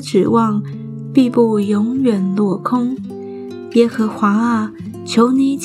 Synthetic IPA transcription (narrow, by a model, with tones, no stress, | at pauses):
ʈ͡ʂɻ̩˨˩wɑ˥˩ŋ | pi˥˧pu˥˩jʊ˧˥ŋjɛ˨˩nlwɔ˥˩kʰʊ˥ŋ | jɛ˥xɤ˧˥xwa˧˥a˥˩ | t͡ɕʰjo˧˥ʊni˧˥t͡ɕ